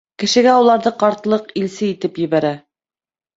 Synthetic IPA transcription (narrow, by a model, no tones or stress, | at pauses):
kɘ̆ʃɘ̆ɡæulˠɑɾðɤqɑɾt̪lˠɤqilsɘit̪ɘpjɘ̆βæɾæ